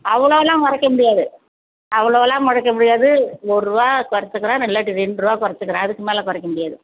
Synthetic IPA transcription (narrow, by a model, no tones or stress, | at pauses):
ɐʋɐɭoːlːãːmɐɾɐkːɐmʊɽɪjaːðɯ | ɐʋɐɭoːlːãːmɐɾɐkːɐmʊɽɪjaːðɯɔɯɾɯʋaːkʊɾɐt͡ʃːɯkːɪɾãːnɪlːaːʈːiɾɛɳɖɾɯʋaːkʊɾɐt͡ʃːɯkːɪɾãːɐðɯkːɯmeːlɐ̃ːkʊɾɛkːɐmʊɽɪjaːðɯ